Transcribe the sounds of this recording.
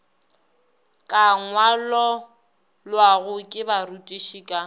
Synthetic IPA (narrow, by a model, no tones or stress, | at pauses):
kʼaŋwalɔ | lwaɣʊkʼɪbaɾutʼiʃiːkʼa